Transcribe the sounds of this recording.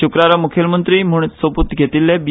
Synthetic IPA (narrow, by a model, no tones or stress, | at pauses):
ukɾaɾamukʰjəlmənt̪ɾiːm̤uɳ̃it̪soput̪ɡʱet̪ilːabi